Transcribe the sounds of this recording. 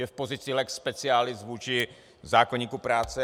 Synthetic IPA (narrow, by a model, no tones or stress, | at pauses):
ɛfpozɪt͡sɪlɛkspɛt͡sɪaːlɪst̪vuːt͡ʃɪ | zaːkoɲiːkupɾaːt͡sɛ